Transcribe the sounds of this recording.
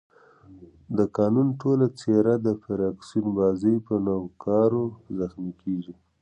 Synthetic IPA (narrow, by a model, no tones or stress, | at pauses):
d̪əkɑnunʈolat͡seɾad̪əfaɾɑksinbɑzəjpənawkɑɾozaxmikeɡi